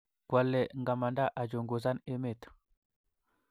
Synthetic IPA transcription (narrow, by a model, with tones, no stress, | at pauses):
ɡ̥wa˨lːɛ˨ŋɡa˨ma˨nda˦ʔa˨d͡ʒo˨ŋɡo˨za˦ne˦me˦˨t̪